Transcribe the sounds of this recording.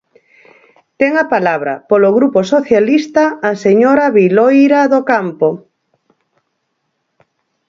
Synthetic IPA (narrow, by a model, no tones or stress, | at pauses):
t̪ɛŋapalaβɾa̰poloɣɾuposoθjalist̪aːseɲoɾaβilojɾaðokampo